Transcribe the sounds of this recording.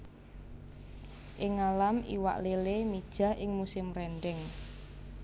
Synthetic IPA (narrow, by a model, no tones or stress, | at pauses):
ʔɪŋalamḭwa̰ʔlelemid̥ʒ̥ä̤hʔɪŋmusɪmrɛnɖɛŋ